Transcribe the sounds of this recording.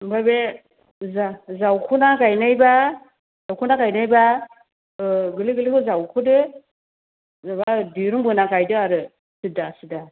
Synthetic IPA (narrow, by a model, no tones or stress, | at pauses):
babe | zazawkʰunakajnajba | zawkʰunakajnajba | ɡɨliɡɨlikuzawkʰudɯ | zaβadiɾumbɯnakajdɯaɾɯ | sɨdasɨda